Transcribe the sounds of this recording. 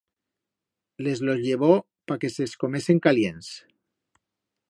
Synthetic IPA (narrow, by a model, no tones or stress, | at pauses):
lezlozʎeβ̞o | pakeseskomeseŋkaljens